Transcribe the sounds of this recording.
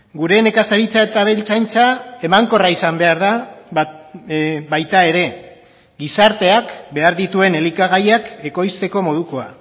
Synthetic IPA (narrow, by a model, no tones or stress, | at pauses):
ɡuɾe̞ne̞kasaɾit͡saet̪aβelt͡sajnt͡sae̞maŋko̞raisambe̞aɾða | βajt̪ae̞ɾe̞ | ɡisaɾt̪e̞akbe̞aɾðit̪ue̞ne̞likaɣ̞ajake̞ko̞jst̪e̞ko̞mo̞ð̞uko̞a̰